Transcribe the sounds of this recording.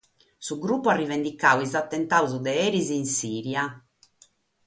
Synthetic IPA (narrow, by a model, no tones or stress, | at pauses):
suɡɾupːuarːivɛnd̪ikaːwizat̪ːɛnt̪auzud̪ɛɛɾiziːnsiːɾja